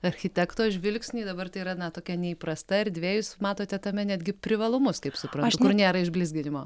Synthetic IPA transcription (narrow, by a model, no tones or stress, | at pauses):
ɐɾʲxʲɪtʲɛkt̪oːʒʲʋʲɪlʲksʲnʲiːd̪ɐbɐrt̪ɐɪiːɾɐnɐt̪oːkʲɛnʲɛiːpɾɐst̪ɐɪɾd̪ʲʋʲeːjʊsmɑːt̪oːt̪ʲɛt̪ɐmʲɛnʲæd̪ʲɡʲɪpʲɾʲɪʋɐlˠʊmʊskɐɪpsʊpɾɐnt̪ʊkʊrnʲeːɾɐɪʒʲbʲlʲɪzʲɡʲɪnʲɪmoː